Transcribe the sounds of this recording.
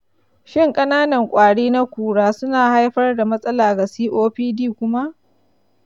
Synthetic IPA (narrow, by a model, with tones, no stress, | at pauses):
ʃɪ˦˨ŋkʼɐ˦naː˦nɐ˨ŋkʷʼaː˨ɽiː˦na˦kʷuː˨ɽaː˦sʊ˦naː˨ha˦jɸɐ˦rda˨mɐ˦sʼɐ˦laː˨ɡa˨siː˦ʔoː˦ɸiː˦diː˦˨kʷʊ˦ma˦ʔ